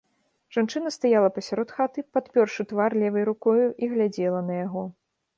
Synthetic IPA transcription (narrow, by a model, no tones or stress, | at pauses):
ʐ̥ant͡ʂɨnɐst̪ajalˠɐpɐsʲaɾɔt̪xat̪ɨpat̪pʲɔrʂɨt̪varlʲɛvɐjɾukɔjuʔiɣlʲad͡zʲɛlˠɐnɐjaɣɔ